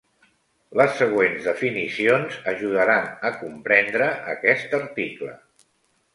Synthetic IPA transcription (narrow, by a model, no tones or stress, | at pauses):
ləsːəɣ̞wenzðəfinisionzəʒuð̞əɾanəkumpɾɛnd̪ɾəʔəkɛst̪əɾt̪iklə̰